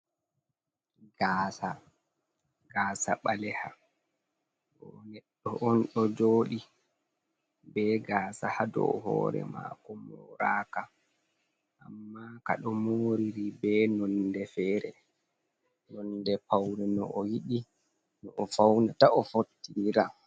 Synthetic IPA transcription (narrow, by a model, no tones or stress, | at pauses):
ɡaːsa | ɡaːsaɓalɛha | ɓɔnɛɗːɔʔɔnɗɔd͡ʒoːɗi | bɛɡaːsahadɔ̰ɦɔ̰ːɾɛ̰ma̰kɔmɔɾaːka | ʔamːaka̰ɗɔmoɾiɾibɛnɔndɛfɛːɾɛ | nɔndɛpawɾɛnɔ̰ʔɔjiɗi | nɔʔɔfawnataʔɔfotːiɾa